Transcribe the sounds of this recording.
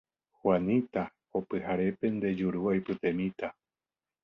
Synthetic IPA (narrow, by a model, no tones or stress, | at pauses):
hwanĩt̪a | opɨhaɾe̞pe̞nd̪e̞d͡ʒuɾuajpɨt̪e̞mĩt̪a